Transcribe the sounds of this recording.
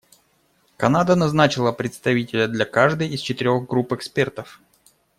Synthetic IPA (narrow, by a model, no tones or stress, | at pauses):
kɐnad̪ənɐznat͡ɕɪlˠəpɾʲɪt̪st̪ɐvʲitʲɪlʲəd̪lʲɐkaʐd̪ɨjɪst͡ɕɪt̪ɪɾʲo̞ɣɡɾupɨkspʲe̞rt̪əf